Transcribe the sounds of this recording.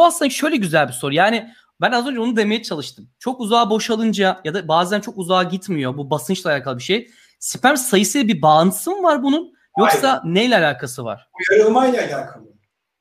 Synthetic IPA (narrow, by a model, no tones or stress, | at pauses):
aslɯnʃø̞jlʲɛɟyzælʲbiso̞ɾujaːnɪ | bænazø̞nd͡ʒabunud̪e̞me̞jɛt͡ʃʰalˠɯʃt̪ʰɯmt͡ʃʰo̞kuzaːbo̞ʃalˠɯnd͡ʒajad̪abaːzænt͡ʃʰo̞kuzaːɟit̪mijo̞bubasɯnt͡ʃlˠaːlʲaːkʰalˠɯbiʃe̞j | si̥pʰæɾmsajɯsɯjlɛbibaːnsɯmvaɾbunun | jo̞kssanejlʲɛalʲaːkʰasɯva̰ɾ̥jaɾɯlˠmajlʲɛalʲaːkʰalˠɯ